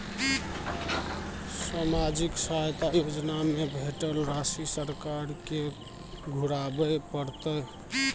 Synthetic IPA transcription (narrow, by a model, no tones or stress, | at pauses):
samad͡ʒiksaɦjt̪ajod͡ʒnamebʱeʈəlɾasisəɾkaɾke | ɡʱuɾabəpəɾt̪ə